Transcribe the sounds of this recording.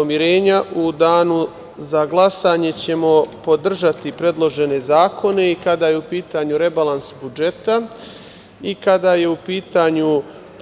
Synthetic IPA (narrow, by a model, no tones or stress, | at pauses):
omjiɾe̞ːɲaʔud̪aːnu | zaɡlˠasaɲe̞t͡ɕe̞mo̞po̞d̪r̩ʒat̪ipɾe̞d̪lˠo̞ʒe̞ne̞zaːkʰo̞ne̞ikad̪aːje̞upiːt̪aɲuɾe̞balˠansbud͡ʒe̞t̪a | ikad̪aje̞upiːt̪aɲu